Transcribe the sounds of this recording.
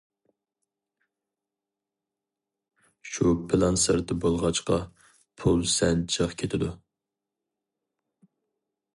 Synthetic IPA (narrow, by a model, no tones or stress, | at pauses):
ʃupʰɪlˠɑnsəɾt̪ʰɪbolˠʁɑt͡ʃqɑ | pʰulˠsɛnt͡ʃʰəχkʲʰet̪ʰɪd̪u